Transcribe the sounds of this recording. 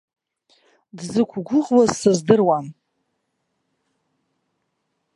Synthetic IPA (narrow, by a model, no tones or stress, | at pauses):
dzɨkʷʰɡʷʊʁlazsɨzdɨrwam